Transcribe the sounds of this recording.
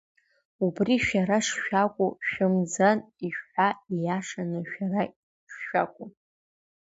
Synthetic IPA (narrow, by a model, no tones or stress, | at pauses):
ubriʃᶣaɾaʂʃᶣakʷʼuʃᶣɪmd͡zaniʃħʷaijaʂanɨʃᶣara | ʂːᶣakʷʼʊ